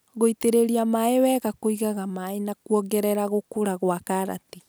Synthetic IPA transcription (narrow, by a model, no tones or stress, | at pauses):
ɣoiteɾeɾiamaewɛːɣakoiɣaɣamaenakwɔɡɛɾɛɾaɣokoɾaɣwakaɾa̰ti